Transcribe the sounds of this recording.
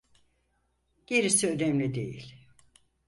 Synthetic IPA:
ɟ̥eɾisiønɛmlʲid̪ḛjḭlʲ

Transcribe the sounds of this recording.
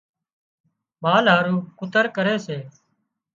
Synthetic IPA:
maːlɦaːɾũːkʊt̪əɾkəɾeːseː

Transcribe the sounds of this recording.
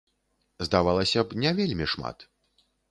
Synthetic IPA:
zd̪avalˠɐsʲɐpnʲɛvʲelʲmʲiʂma̰t̪

